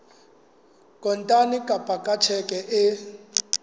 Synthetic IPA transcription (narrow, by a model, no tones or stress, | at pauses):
kʼɔntʼanikʼapʼakʼat͡ʃʰɛkʼɛʔɪ